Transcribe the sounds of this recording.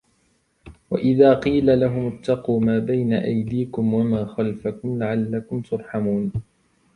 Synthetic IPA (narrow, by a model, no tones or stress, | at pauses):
wa̰ʔɪðaːqiːlalaɦʊmʊt̪ːɑquːmaːbajnaʔajd̪iːkʊmwamaːxalfakʊmlaʕalːakʊmt̪ʊɾˤħamuːn